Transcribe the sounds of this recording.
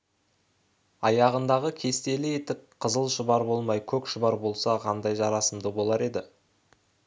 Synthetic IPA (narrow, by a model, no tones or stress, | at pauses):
ɑjɑʁənd̪ɑʁəkʲʰe̞st̪e̞lɪet̪ɪkqʰəzəlˠʃəbɑɾbo̞lˠmɑjkʲʰɵkʃəbɑɾbo̞lˠsɑqʰɑnd̪ɑjʒɑɾɑsəmd̪əbo̞lˠɑɾe̞d̪ɪ